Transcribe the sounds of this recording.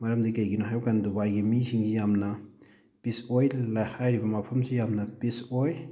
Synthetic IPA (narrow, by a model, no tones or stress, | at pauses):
mɐɾɐmdikɐjɡinoɦajbkandubajɡimisiŋɡijamnɐ | pisojlajhajɾibɐmapʰɐmsijamnɐpisoj